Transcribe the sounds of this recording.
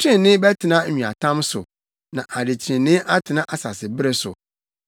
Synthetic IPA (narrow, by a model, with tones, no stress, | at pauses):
t͡ɕʰɪ̃˦nːɪ̃˦bɛ˦tʰɪ˨nã˦˨ĩ˨a̰˨tʰã˦msʊ̰˨ | nã˨ʔa˨dɪ˨t͡ɕʰɪ̃˨nnːɪ̃˦ʔa˦tʰɪ˨nã˦ʔa˨sa̰˨sɪ˨bɪ˦ɾe˦sʊ̰˨